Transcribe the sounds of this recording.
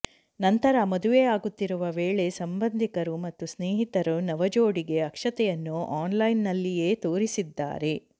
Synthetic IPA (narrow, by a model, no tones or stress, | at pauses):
nɐnt̪ɐɾɐmɐd̪uʋejaːɡut̪ːiɾuʋɐʋeːɭe̞sɐmbɐnd̪ʱikɐɾumɐt̪ːusneːɦit̪ɐɾunɐʋɐd͡ʒoːɽiɡe̞ɐkʂɐt̪ɛjɐnːuʔaːnlɐjnːɐlːije̞ːt̪o̞ːɾisid̪ːa̰ːɾe̞